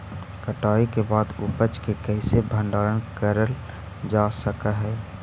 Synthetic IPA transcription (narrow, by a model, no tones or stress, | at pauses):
kəʈaːikebaːd̪upət͡ʃkekəɪsebʱə̃ɳɖaɾənkəɾəl | d͡ʒasəkəɦɛː